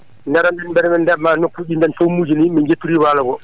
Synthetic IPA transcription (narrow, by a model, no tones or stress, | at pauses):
ndɛɾandɛnmbɛɾɛmɛndɛbmanokːuɗindɛntomuːd͡ʒinimind͡ʒetːuɾiwaːlaɡɔ